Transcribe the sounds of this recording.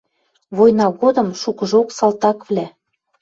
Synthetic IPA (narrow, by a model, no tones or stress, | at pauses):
βojnɑɣod̪ɤ̆mʃukɤ̆ʒoksɑlt̪ɑkvlʲæ